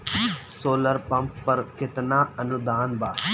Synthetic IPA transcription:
soːləɾpɐ̃mpːɐɾkɪt̪naːɐnʊd̪aːnbaː

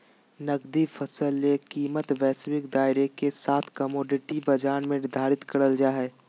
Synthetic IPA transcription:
nɐɡd̪ifʰəsəlːekiːmət̪ʋɛːsʋɪkd̪aːɪɾekesaːt̪ʰkəmoːɖɪʈibɐd͡ʒaːnmẽɪd̪ʱaːɾɪt̪kɐɾəld͡ʒaːɦɛː

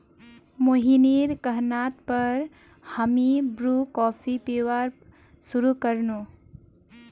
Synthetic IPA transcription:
moɦiniɾkəɦnaːt̪pəɾ | həmibɾuːkɔːpʰipewaɾ | suɾukəɾnoː

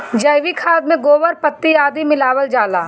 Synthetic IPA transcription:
d͡ʒɐɪʋikʰaːd̪̚mẽɡoːʋəɾpət̪ːiaːd̪imɪlaːʋəld͡ʒaːlaː

